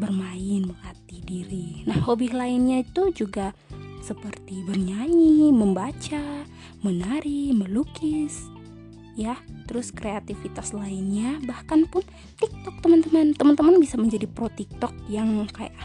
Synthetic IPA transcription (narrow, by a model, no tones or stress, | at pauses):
bərmaɪnməŋat̪idiɾinahhobiɦlaɪnɲait̪ud͡ʒuɡasəpərt̪ibərɲaɲiməmbat͡ʃa | mənaɾiməlukɪs | jat̪əɾʊskɾeat̪ifit̪aslaɪnɲabahkanpʊn | t̪ik̚t̪ɔk̚t̪əmant̪əmant̪əmant̪əmanbisaməɲd͡ʒadipɾot̪ik̚t̪ɔk̚jaŋka̰ja̰ʔ